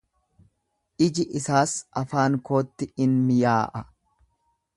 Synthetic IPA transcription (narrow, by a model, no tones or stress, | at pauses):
ʔɪd͡ʒɪʔɪsaːsʔɐfaːŋko̞ːt̪ːɪɪnmɪjaːʔɐ